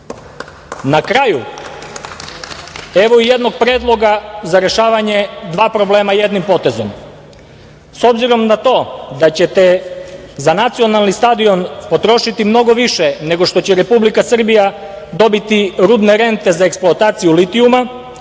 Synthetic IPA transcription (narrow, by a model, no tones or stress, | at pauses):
nakɾaju | e̞ʋo̞ijed̪no̞ɡ̚pɾed̪lˠo̞ɡazaɾe̞ʃaːʋaɲe̞d̪ʋaːpɾo̞ble̞ːmaje̞d̪nimpo̞t̪e̞zo̞̰m | so̞bziɾo̞mnat̪o̞ːd̪at͡ɕet̪ezanat̪sio̞nalˠnist̪ad̪io̞npo̞t̪ɾo̞ʃit̪imno̞ɡo̞ʋiʃene̞ɡo̞ʃt̪o̞t͡ɕeɾe̞publikasr̩bija | d̪o̞bit̪iɾud̪ne̞ɾe̞nt̪e̞zaeksplˠoat̪aːt̪sijulit̪iuma